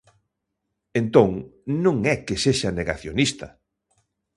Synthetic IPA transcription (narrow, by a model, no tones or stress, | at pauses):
ent̪õŋnõŋɛkeseʃɐneɣaθjonist̪ɐ̰